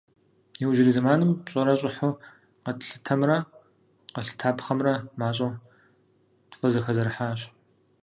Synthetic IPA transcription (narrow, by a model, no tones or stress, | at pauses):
jɛwʒɪɾizɨmaːnɨmpɕʼɐɾɐɕʼʊħʊ | qɐtɬɨ̥tʰɐmrɐ | qəɬɨ̥tʰaːpχɐmrɐmaːɕʼo | tfʼɐzɐxɐzɐɾɨħaːɕ